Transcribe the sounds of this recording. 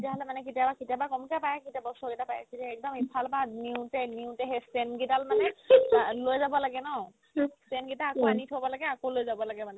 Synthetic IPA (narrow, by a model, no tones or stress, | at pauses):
tiaɦɔlɛmanɛkitiabakitabakɔmkapajakitabɔsɔkitapajɛ̰kitaɛk̚dɔmipʰalpaniutɛniutɛɦestenɡitalmanɛ | lojzabɔlaɡɛnɔ | stenɡitaakoanitɦobɔlaɡɛakolojzabɔlaɡɛmanɛ